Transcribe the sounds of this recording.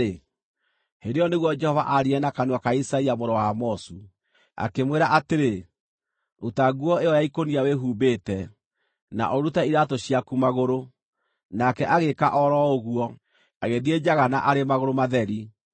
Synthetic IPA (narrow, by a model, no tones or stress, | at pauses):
e | hedeɔneɣwɔd͡ʒɛhɔva̰ʔaɾiɛnakanwakaisaiamoɾɔwamɔsu | a̰kemweɾaʔateɾe | otaɣuɔeɔjaikoniaweɦuːbeːtɛ | na̰ʔɔɾutaiɾatoɕiakumaɣoɾo | nakɛʔaɣeka̰ʔɔɾɔoɣuɔ | aɣeðied͡ʒaɣana̰ʔaɾemaɣoɾomaðɛɾi